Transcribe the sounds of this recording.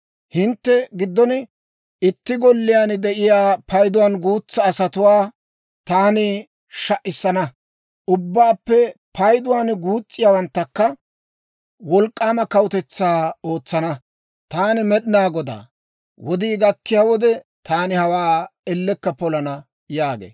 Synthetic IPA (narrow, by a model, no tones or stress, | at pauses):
hɪnt̪ːɛɡɪd̪ːɔn | ɪt̪ːɪɡɔlːɪjaːnd̪ɛʔɪjaːpʰɐjd̪ʊwaːnɡuːt͡sːɐːsɐt̪ʊwaː | t̪aːnɪ | ʃɐʔɪsːɐnɐ | ʔʊbːaːpːɛpɐjd̪ʊwaːnɡuːt͡sʼːɪjaːwɐnt̪ːɐkːɐ | wɔlkʼːaːmɐkɐwʊt̪ɛt͡sːaːo̞ːt͡sːɐnɐ | t̪aːnɪmɛɗɪnaːɡɔd̪a̰ː | wɔd̪iːɡɐkːɪjaːwɔd̪ɛt̪ʰaːnɪhɐwaːɛlːɛkːɐpɔlɐnɐ | jaːɡḛː